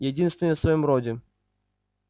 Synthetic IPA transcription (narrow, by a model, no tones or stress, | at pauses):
jɛdʲinst̪vʲɪnəsvɐjomɾodʲɪ